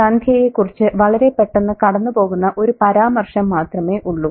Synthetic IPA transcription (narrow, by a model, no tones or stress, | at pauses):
ɐnd̪ʰʱjɐjekːurit͡ɕːɨʋɐɭɐɾe̞pːe̞ʈːenːɨkɐɽɐnːupo̞ːɣunːɐʔo̞ɾupɐɾaːmɐrʂɐmːaːt̪rɐme̞ːʔuɭːu